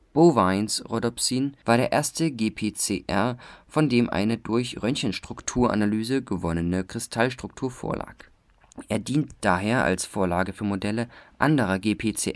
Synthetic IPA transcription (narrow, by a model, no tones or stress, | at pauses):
b̥ovaɪnsʁodɔpsiːnvaːɐɾeːɐʔeːɐstəɡeːpʰeːt͡seːʔɛ̰ɐfɔndeːmʔa̰ɪnədʊɐçʁœnçənʃtʁ̥ʊktʰuːɐʔa̰nalyːzəɡəvɔnənəkʁ̥ɪstʰalʃtʁ̥ʊk̚tʰuːɐfo̰ːɐla̰ːk | ʔeːɐdiːntd̥aːɦeːɐʔa̰lsfoːɐlaːɡəfyːɐmodɛləʔa̰ndəʁ̞ɐɡeːpʰeːt͡sḛːʔ